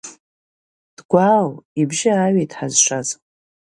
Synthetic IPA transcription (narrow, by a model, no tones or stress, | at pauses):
d̥ɡʷalibʒɪaɥejtʼħazʂʷaz